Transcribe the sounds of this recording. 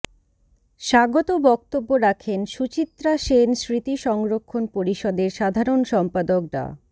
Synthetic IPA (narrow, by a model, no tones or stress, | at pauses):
ʃaɡot̪obɔk̚t̪obːoɾakʰenʃut͡ɕit̪ːɾaʃensɾit̪iʃɔŋɾokʰːonpoɾiʃɔd̪eɾʃad̪ʱaɾonʃɔmpad̪ok̚ɾa̰